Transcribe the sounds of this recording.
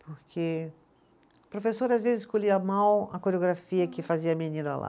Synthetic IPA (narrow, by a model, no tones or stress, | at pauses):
poɾkʰe | pɾofesoɾazvezɪskoʎiɐmawɐkoɾeoɡɾafiɐkɪfaziɐminĩnʊa̰la̰